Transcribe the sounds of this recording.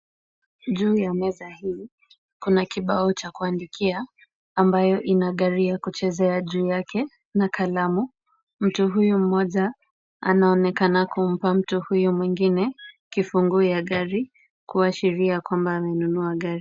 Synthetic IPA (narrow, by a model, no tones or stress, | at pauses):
ʄuːjamɛzahiː | kunakiɓaɔt͡ʃakuandikʰiaː | mbajɔʔinaɠaɾiakut͡ʃɛzɛaʄuːjakʰɛ | nakʰalamu | m̩tuɦujum̩mɔʄa | a̰naɔnɛkanakum̩pam̩tuhujumwiŋɡinɛkifuŋɡujaɠaɾi | kuaʃiɾiakwambaːmɛnunuaɠaɾi